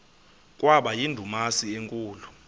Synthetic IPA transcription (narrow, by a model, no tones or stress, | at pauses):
k̬ʼwaɓajindʱumasieŋkʼuːlu